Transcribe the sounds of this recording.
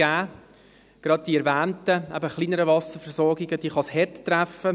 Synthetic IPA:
æː | ɡ̥ɾɑd̚d̥iɛɾvæːntəɛ̰bəχliːnəɾəvɑsəɾfɛɾsɔɾɡɪɡəd̥iːχɑshɛttɾæfə

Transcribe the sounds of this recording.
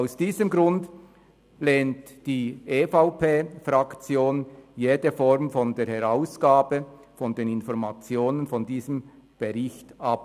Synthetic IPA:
aʊsd̥iːzəmɡɾʊnd | leːnt | d̥iːʔeːfaʊpʰeːfrɑkt͡sjoːnjeːdəfɔɾmfɔndeːɾhɛɾaʊsɡ̥aːbə | fɔndeːnɪnfɔɾmat͡sjoːnənfɔndiːzəm | b̥əɾɪçtʔɑp

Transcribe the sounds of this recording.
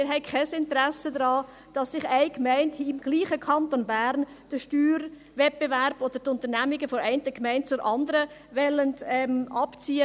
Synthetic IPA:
mɪɾɦɛɪkʰɛsɪntəɾæsədɾɑː | d̥ɑsːɪχæɪkmɛɪntɪmɡ̥liːχəkʰɑnt̪onbæːɾn | d̥əʃtyːɾ | vɛt̚b̥evæɾbod̥̪əɾtʊntənæmɪɡəfɔɾɛɪntəkmɛɪnt̚t͡sʊɾʔɑndəɾə | ʋɛləndɛmɑpt͡siːə

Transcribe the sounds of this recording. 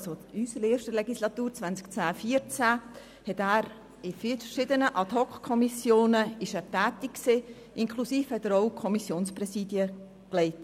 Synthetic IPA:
soysəɾeːʃtəlɛɡislɑtuːɾt͡svænt͡skt͡sæːfiːəɾt͡sæ | hɛtæːɾ | ɪfilfəʃɪdənəʔɑtɔkkʰːɔmisjoːnəɪʃæːɾtæːtikkse | ɪŋkʰlusiːfhɛtəɾowkʰɔmisjoːnsprɛsiːdjə | klɛɪt

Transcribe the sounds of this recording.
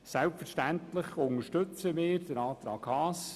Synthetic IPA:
sælpfəɾʃtænt̪ləχʊŋəʃtɵt͡səmɪːɾd̥̪əɾɑːt̪ɾɑːɡ̥hɑːs

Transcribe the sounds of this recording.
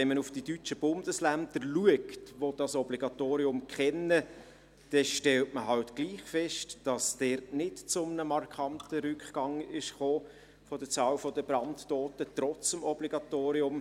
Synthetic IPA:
ɛnmənufd̥idyt͡ʃəb̥ʊndəslændəɾluəktʋod̥ɑsɔbliɡɑtoːɾiʊmkχɛnə | d̥ɛʃtɛltməɦɑltɡ̥liːχfɛʃtd̥ɑsd̥ɛɾtnɪtt͡sʊmnəmɑrkχɑntəɾʏkχɡ̥ɑŋɪʃχoː | fɔd̥ət͡sɑːlfɔdəbɾɑntːoːtətrɔt͡səmɔbliɡ̥ɑt̪oːɾiʊm

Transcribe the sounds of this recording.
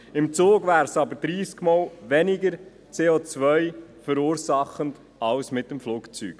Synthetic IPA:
ɪmt͡soːɡʋæːɾsɑbəɾd̥ɾiːskmɑːlʋɛnɪɡəɾ | t͡seːot͡sʋœjfəɾuːɾsɑχənd | ɑwsmɪtːəmfluːkt͡sy̰ːk

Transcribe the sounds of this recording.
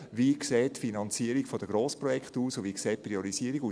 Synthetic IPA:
ʋikseːtfinɑnt͡siəɾiɡfod̥əɡɾoːspɾɔjɛktuːsʊviːkseːt̚pɾioɾisiːəɾiɡuː

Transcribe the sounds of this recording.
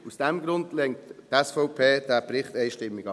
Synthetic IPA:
usd̥ɛmɡɾʊndlɛŋtːɛsfɔʊpʰeːd̥æːpɾɪχtɛɪʃtɪmːiɡ̥ɑ

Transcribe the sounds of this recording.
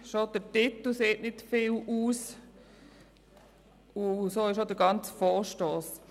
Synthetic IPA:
ʃod̥ətɪt̪l̩seːtnɪtfɪluːs | ʊsoːɪʃodəɡɑnt͡sfɔːʁʃtoːs

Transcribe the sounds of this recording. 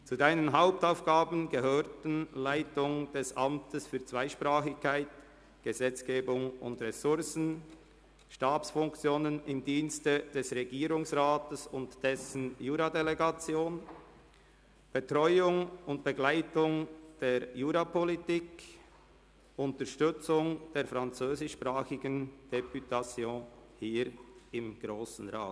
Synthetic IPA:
t͡sudaɪnənɦaʊp̚taʊfɡ̥aːbn̩ɡəɦøːɾtn̩laɪtʊŋd̥ɛsʔɑmtʰəsfyːɐt͡svaɪʃpʁaːχɪçkʰːaɪt | ɡ̥əzɛt͡sɡ̥eːbʊŋʊ̰ndʁɛsʊɾsn̩ | ʃtaːsfʊŋkt͡sjoːnənɪmdiːnstəd̥ɛsʁeɡiːɾʊŋsʁaːtəsʊntd̥ɛsn̩juːɾadeleɡɑt͡sjoːn | b̥etʁɔʏʊŋʊnt̚b̥eɡlaɪtʊŋd̥eːɾjuːɾapʰɔlitik | ʊntəʃtʏt͡sʊŋd̥eːɾfɾant͡søːzɪʃpʁaːxɪɡənd̥epʰytat͡sjoːhiːɾɪmɡ̥ɾoːsn̩ʁaːt

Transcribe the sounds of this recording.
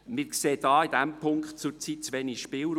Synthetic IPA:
mɪːɾkseːd̥ɑːid̥̪æmpʰʊŋkχt̚t͡sʊɾt͡sit̚t͡sʋɛniʃpɪːlɾ

